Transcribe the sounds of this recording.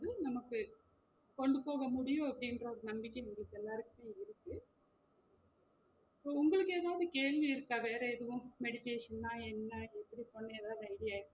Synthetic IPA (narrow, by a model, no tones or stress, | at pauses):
ðɯnɐmɐkːɯ | kɔɳɖɯpoːɣɐmʊɽɪjõɐpːɐɽɪnrɐɔɾɯnɐmbɪkːeʊŋɡɐɭɯkːɛlːaːɾɯkːɯp̪ːeːɪɾɯkːɯ | soːʊŋɡɐɭɯkːeːðaːʋɯðɯkeːɭʋiɪɾɯkːaːʋeːɾɐɛðɯʋʊ̃mmɛɽɪkːeːʂɐnːaːɛnːɐɛpːɐɽiponːɐɛːðaːʋðɯɐɪɽɪjaːɪɾk